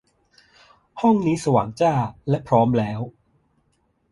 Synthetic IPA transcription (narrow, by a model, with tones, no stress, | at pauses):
hɔ˥˩ŋniː˦˥sa˧wa̰ː˩˦ŋt͡ɕaː˥˩lɛ˦˥pʰɾɔː˦˥mlɛː˦˥w